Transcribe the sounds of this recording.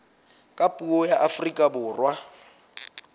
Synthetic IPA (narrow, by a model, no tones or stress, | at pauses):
kʼapʼuɔjaʔafrikʼabʊːrwa